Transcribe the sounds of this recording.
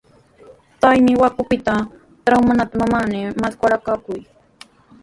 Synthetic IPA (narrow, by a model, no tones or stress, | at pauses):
t̪ajmɪwakʊpɪt̪a | t̪ɾawmanat̪amamanɪmaskaɾakakʊj